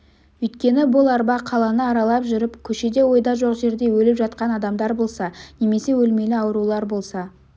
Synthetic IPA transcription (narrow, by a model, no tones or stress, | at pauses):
wɵjt̪̚kʲe̞nɪbʊlˠɑɾbɑqʰɑlˠɑnəɑɾɑlˠɑpʒʏɾɪpkʲʰɵʃe̞d̪e̞wo̞jd̪ɑʒoqʒe̞ɾd̪e̞wɵlɪpʒɑt̪qɑnɑd̪ɑmd̪ɑɾbo̞lˠsɑne̞me̞se̞wɵlme̞lɪɑwɾulˠɑɾbo̞lˠsɑ